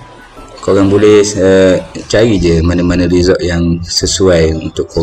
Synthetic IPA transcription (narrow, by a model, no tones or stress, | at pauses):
koɾaŋbolɛət͡ʃaɾid͡ʒəmanəmanəɾizɔʔjaŋsəsuajṵnt̪ʊʔo